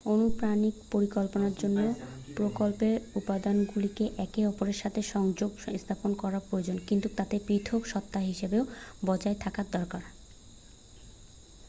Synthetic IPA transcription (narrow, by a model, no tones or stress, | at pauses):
onupɾanikpoɾikolponaɾd͡ʑonːopɾokolpeɾupad̪anɡulikeʔɛkeɔpoɾeɾʃat̪ʰeʃɔŋd͡ʑoɡist̪ʰaponkɔɾaɾpɾood͡ʑonkint̪ut̪at̪epɾit̪ʰokʃɔt̪ːaɦiʃebeobɔd͡ʑaet̪ʰakaɾd̪ɔɾkaɾ